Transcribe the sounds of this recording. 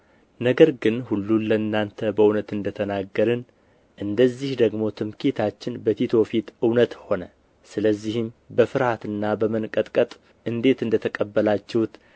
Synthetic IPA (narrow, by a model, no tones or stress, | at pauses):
nəɡəɾɡɨnhulːunləɨnːant̪ʰəbəunət̪ɨnd̪ət̪ʰənaɡːəɾɨn | ʔɨnd̪əzːihd̪əɡmo̞t̪ʰɨmkʰit̪ʰat͡ʃːɪnbət̪ʰit̪ʰo̞fit̪ɨwnət̪ho̞nə | sɨləzːihɪmbəfɨɾhat̪ɨnːabəmənkʼət̪ʼkʼət̪ʼ | ɨnd̪e̞t̪ɨnd̪ət̪ʰəkʼəbːəlat͡ʃːɛwt̪